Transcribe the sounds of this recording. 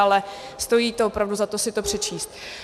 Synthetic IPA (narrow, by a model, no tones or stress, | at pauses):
alɛ | st̪o̞jiːt̪oopɾavduzat̪o̞sɪt̪o̞pr̝̥ɛt͡ʃiːst̪̚